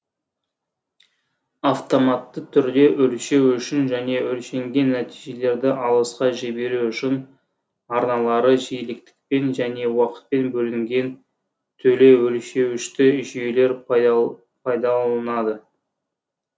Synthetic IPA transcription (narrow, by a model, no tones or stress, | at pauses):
aft̪o̞mɑt̪ːət̪ʰʏɾd̪e̞ʔʏlʃe̞wʏʃɪnʒæne̞ɵlʃe̞ŋɡʲe̞nːæt̪iʒe̞le̞ɾd̪ɪʔɑlˠəsqɑʒebe̞ɾuʏʃɪn | ɑɾnɑlˠɑɾəʒejlɪk̚t̪ɪ̥k̚pe̞nʒæne̞wɑqə̥t̪̚pe̞nbɵlɪŋɡʲe̞n | t̪ʰɵle̞ɵlʃe̞wɪʃt̪ɪʒele̞ɾ | pʰɑjd̪ɑlˠənɑd̪ə